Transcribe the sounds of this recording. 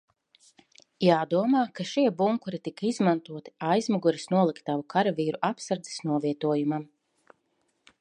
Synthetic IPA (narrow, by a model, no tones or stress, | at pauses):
jaːd̪uɔmaːkaʃiɛbuŋkuɾit̪ikaizmant̪uɔt̪i̥ajzmɔɡuɾisnuɔlˠikt̪ːavukʰaɾaviːɾuʔapsaɾd̪zɛ̥snuɔviɛt̪uɔjumam